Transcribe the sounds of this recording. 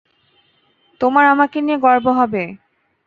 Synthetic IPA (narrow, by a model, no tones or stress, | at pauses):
t̪omaɾamakenieɡɔɾboɦɔbe